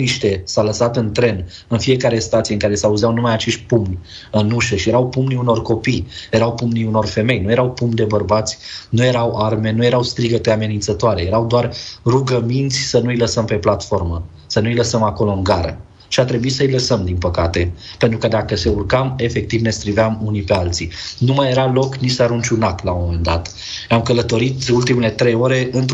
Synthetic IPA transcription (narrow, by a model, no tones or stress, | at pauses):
niʃt̪e̞sawləsat̪ɨnt̪ɾe̞n | ɨnfije̞kaɾe̞st̪at̪sijeɨŋkaɾe̞sauzeawnumajat͡ʃeʃt̪̚ʲpumnʲɨnuʃəʃije̞ɾawpumniuno̞rko̞pijje̞ɾawpumniuno̞rfe̞me̞jnuje̞ɾawpumd̪e̞bərbat̪sʲnuje̞ɾawʔarme̞nuje̞ɾawst̪ɾiɡət̪eame̞nint̪sət̪oaɾe̞je̞ɾawd̪oarruɡəmint̪sʲsənuiləsəmpe̞plat̪fo̞rmə | sənuiləsəmako̞lo̞ɨŋɡaɾə̰ | ʃiat̪ɾe̞buisəiləsəmd̪inpəkat̪e̞pent̪ɾukəd̪akəse̞urkame̞fe̞k̚t̪ivne̞st̪ɾivamunipe̞alt̪sinumaje̞ɾalo̞knisəaɾunt͡ʃʲunak̪lamome̞nd̪at̪ | amkələt̪o̞ɾit̪ult̪imele̞t̪ɾejo̞ɾe̞ɨnt̪